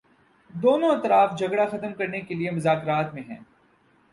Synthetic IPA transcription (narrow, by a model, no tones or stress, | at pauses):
d̪oːnõɐt̪ɾaːfd͡ʒʱɐɡɽaxɐt̪mkɐɾnekeliemʊzaːkɾaːt̪mẽɦɛ̰̃ː